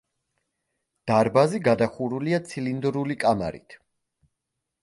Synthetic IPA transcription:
d̪̥aɾbaziɡad̪aχuɾuliat̪sʰilind̪ɾulikʼama̰ɾḭt̪ʰ

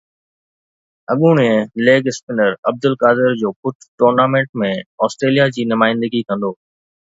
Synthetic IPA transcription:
ɐɠũɽ̃ẽleːɡɪspɪnəɾɐb̚d̪ʊlkaːd̪ɪɾd͡ʑoːpʊt̪ʰʈoːɾnaːmẽːɳʈmẽɔːsʈɾeːlijad͡ʑiːnʊmaːɪ̃nd̪əɡikɐ̃nd̪oː

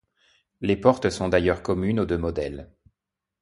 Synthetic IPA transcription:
lepɔʁt̪sɔ̃d̪ajœʁkɔmynod̪ømɔd̪ɛl

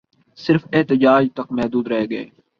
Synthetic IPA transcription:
sɪɾfeɦt̪ɪd͡ʒaːd͡ʒt̪ɐkmɛɦd̪uːd̪ɾɛɦɡəḛː

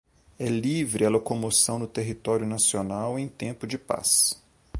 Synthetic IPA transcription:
ɛlivɾɪɛlokomosɐ̃w̃nʊt̪eɦit̪ɔɾjʊnasionawẽj̃t̪ẽmpʊd͡ʒɪpa̰s

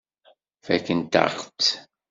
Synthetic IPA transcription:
fækənt̪a̰χt͡s

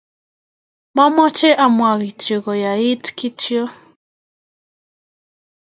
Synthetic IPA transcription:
mamat͡ʃeʔamwʷaɣit͡ʃiɣojait̪kitio

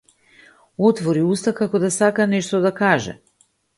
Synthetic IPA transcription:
ot̪voɾiust̪akakod̪asakanɛʃt̪ɔd̪akaʒɛ̰

